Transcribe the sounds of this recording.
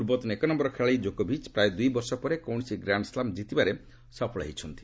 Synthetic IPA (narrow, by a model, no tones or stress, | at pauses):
uɾbɔt̪unekɔnɔmbɔɾɔkʰeɭaid͡ʒokobʱit͡ʃpɾajd̪ujbɔɾsɔpɔɾekɔwɳsiɡɾaɳɖslamd͡ʒit̪ibaɾe | sɔpʰɔɭaɦit͡ʃʰɔnt̪ʰi̥